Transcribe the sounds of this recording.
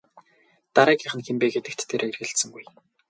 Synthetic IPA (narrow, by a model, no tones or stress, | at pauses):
t̪aɾæːkæːχə̆nxempeːɡet̪ɘ̆kt̪ːʰeɾerɣɘ̆ɬt̪sɘ̆ŋɡuj